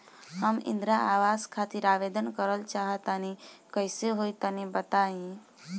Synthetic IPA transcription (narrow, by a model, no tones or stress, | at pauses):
ɦəmɪ̰̃nd̪ɾaʔaːʋaːskʰaːt̪iɾaːʋeːd̪ənkəɾəlt͡ʃaːɦət̪anikəɪseɦoit̪anibət̪aːĩ